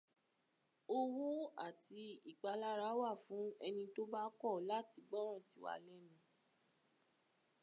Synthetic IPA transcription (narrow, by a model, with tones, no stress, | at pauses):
o˦˧wu˦a̰˦˨ti˧i˦˨k͡pa˧la˦ɾa˨˦wa˦˨fũ˨˦ɛ˧nĩ˧to˦ba˦kɔ˦˨la˦˨ti˧ɡ͡bɔ˦ɾ̃ã˦˨si˨wa̰˧˨lɛ˦nĩ˦